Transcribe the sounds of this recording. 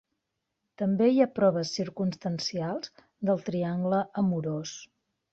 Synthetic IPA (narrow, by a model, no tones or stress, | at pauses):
t̪əmbeiapɾɔβəsːiɾkunst̪ənsialˠz̥ | d̪əlˠt̪ɾiaŋɡləʔəmuɾos